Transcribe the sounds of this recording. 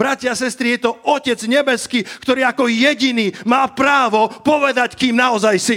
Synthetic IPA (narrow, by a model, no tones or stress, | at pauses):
b̥ɾacɪaasɛst̪ɾijɛt̪ɔɔcɛd͡zɲɛbɛskiːkt̪ɔɾiːakɔjɛɟiniːmaːpɾaːʋɔpɔʋɛd̪ackiːmnaɔzajsi